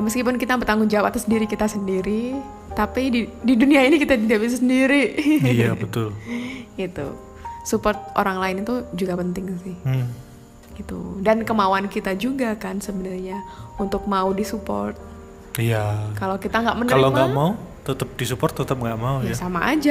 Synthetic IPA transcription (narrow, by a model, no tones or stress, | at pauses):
məskipʊnkit̪abət̪aŋɡʊnd͡ʒawapat̪asəndiɾikit̪asəndiɾi | t̪apidididuniainikit̪adidabis̬asəndiɾiijabət̪ʊlɡit̪ṵ | supɔrt̪̚ʔo̰ɾaŋlaɪnit̪ud͡ʒuɡapənt̪ɪŋsɪh | ɡit̪ṵdankəmawankit̪ad͡ʒuɡakansəbənarɲaunt̪ʊk̚maudisupɔ̰rt̪̚ | ijakalokit̪aŋɡaʔmənəaɾɪloɡamaut̪ət̪əp̚disupɔrt̪ːət̪əp̚ŋɡaʔmaujasamaʔa̰d͡ʒa